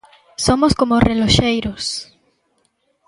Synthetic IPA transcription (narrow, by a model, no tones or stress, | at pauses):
somoskomoreloʃejɾos